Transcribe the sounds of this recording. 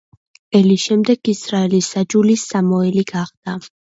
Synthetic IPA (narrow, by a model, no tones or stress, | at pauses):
ɛlisʃɛmd̪ɛɡisɾaɛlisːad͡ʒulisːamɔɛliɡaχd̪̥a